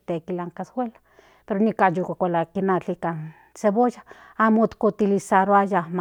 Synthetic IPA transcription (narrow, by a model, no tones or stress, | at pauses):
t̪ekilaŋkaswʷela | peɾonikajukakʷalakinat͡ɬikan | seβoja | amot̪kʷut̪ilisaɾoajam